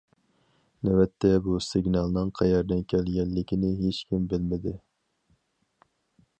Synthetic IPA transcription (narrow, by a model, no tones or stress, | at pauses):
nɛbɛt̪ʰːɛbusɪɡnɑlˠnɨŋqʰɑjɑɾd̪ɛnkʲʰɛlɡʲɛnːɪkʲinɪɦet͡ʃkʲʰimbɪlmɪd̪ɪ